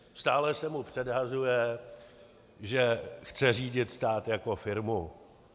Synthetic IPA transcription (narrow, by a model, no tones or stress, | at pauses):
st̪aːlɛsɛmupr̝̥ɛdɦazujɛ | ʒɛxt͡sɛr̝iːɟɪt̪st̪aːt̪jakofɪɾmu